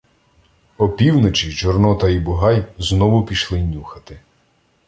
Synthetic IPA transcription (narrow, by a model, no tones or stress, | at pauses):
ɔpʲiwnɔt͡ʃit͡ʃɔrnɔt̪ɐibʊɦɑjznɔʋʊpʲiʃlˠɪnʲuxɐt̪ɪ